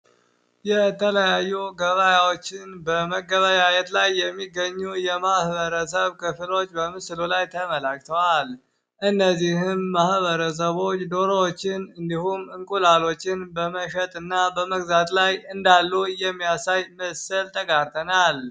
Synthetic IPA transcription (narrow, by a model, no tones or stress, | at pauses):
jɛt̪ʰələjajːuɡəβajawot͡ʃːɪnbəməɡəβajajɛt̪lajːɛmːiɡəɲːujɛmahβəɾəs̬əβkʰɨfɨlo̞t͡ʃːbəmɨslulajt̪ʰəməlakʼt̪ʰəwal | ʔɨnːəzːihɨmːahβəɾəs̬əβo̞t͡ʃːd̪o̞ɾoot͡ʃːɪnɨnd̪ihumɨŋkʼulalo̞t͡ʃːɪnbəməʃət̪ʼɨnːabəməɡzat̪lajɨnd̪alːujɛmːijasajməsɨlt̪ʰʼəɡaɾt̪ʰənal